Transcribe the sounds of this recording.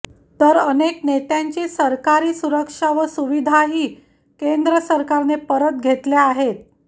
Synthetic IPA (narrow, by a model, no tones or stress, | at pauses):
t̪əɾəneknet̪jaɲt͡ɕiːsəɾkaɾiːsuɾəkʂaʋəsuʋid̪ʱaɦiː | kend̪ɾəsəɾkaɾnepəɾət̪̚ɡʱet̪leaɦet̪̚